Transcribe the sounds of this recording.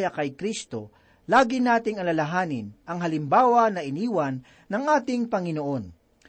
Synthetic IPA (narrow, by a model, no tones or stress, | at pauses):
jɐkɐjkɾist̪o̞̰ | laːɡɪnaːt̪ɪŋɐlɐlɐɦaːnɪnʔɐŋɦɐlɪmbaːwɐnɐʔɪniːwɐnː | ɐŋʔaːt̪ɪŋpɐŋɪnoʔo̞n